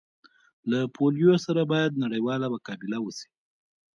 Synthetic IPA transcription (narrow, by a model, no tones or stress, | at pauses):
lapʰolijosaɾabɑjad̪̚naɽəjwɑlamakɑbɪlawəsi̥